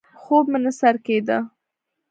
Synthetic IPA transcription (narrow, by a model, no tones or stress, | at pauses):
xobmənasaɾked̪ə